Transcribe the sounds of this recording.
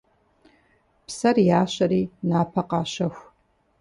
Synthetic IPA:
psɐrjaːɕɐɾiːnaːpʰɐqɑːɕɐxʷ

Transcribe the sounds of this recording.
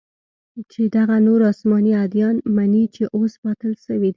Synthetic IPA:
t͡ʃed̪aɣanoɾɑsmɑniad̪jɑnmanit͡ʃeʔospɑt̪əlʃəwid̪i

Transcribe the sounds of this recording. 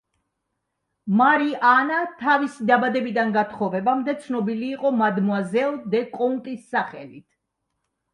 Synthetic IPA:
maɾiʔanat̪ʰavisid̪abad̪ɛbid̪anɡat̪ʰχɔvɛbamd̪ɛt̪sʰnɔbiliːqʼɔmad̪muazɛlˠd̪ɛkʼɔnt̪ʼisːaχɛ̰lit̪ʰ

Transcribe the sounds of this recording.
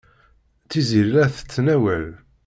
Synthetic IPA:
θiziɾlæθə̥t͡sːnæwæl

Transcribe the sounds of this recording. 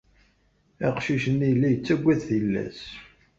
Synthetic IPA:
æqʃiʃənːilːæjət͡sːæɡʷːæðθilːæ̰s

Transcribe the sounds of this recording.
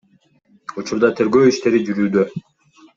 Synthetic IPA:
ut͡ʃuɾd̪ɑt̪ʰe̞ɾɡø̞ːiʃt̪e̞ɾid͡ʒyɾyːd̪ø

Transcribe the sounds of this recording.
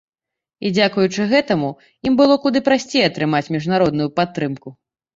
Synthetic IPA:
id͡zʲakujut͡ʂɨɣɛt̪ɐmu | imbɨlˠɔkud̪ɨpɾasʲt͡sʲejɛɐt̪ɾɨmat͡sʲmʲiʐnaɾɔd̪nʊjupat̪ːɾɨmku

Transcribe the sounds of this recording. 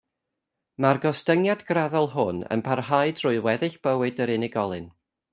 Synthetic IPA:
marɡɔstəŋjadɡraðɔlˠɦʊnə̰npʰarɦaɨdrʊɨwɛðɨɬb̥əwɨdəɾɪnɪɡɔlˠɨn

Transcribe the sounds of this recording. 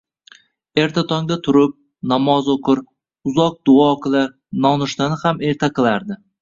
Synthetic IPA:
e̞ɾt̪ʰat̪ʰɒŋd̪at̪ʰʊɾɪp̚ | namɒzoqʰʊɾ | ʊzɒq̚d̪ʊɒqʰɨlaɾ | nɒnʊʃt̪anɪhame̞ɾt̪ʰaqɨlˠaɾd̪ɪ

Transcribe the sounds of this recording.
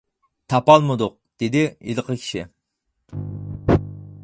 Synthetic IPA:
t̪ʰɑpɑlˠmɨd̪ʊq̚d̪̥ed̪ɪilˠqʰəkʲʰi̥ʃi

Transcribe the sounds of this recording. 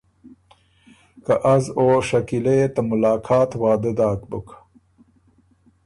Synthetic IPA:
kɐʔɐzoːʂɐkileet̪ɐmʊlaːkʰaːt̪waːd̪ed̪aːkbuk

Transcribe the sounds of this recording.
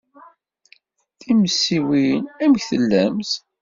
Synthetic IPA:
θiməsːiwinæməçθəlːæmθ

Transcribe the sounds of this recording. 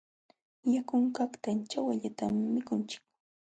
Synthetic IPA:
jakʊŋkakt̪ant͡ʃawaʎat̪amːɪkʊnt͡ʃɪ̥k

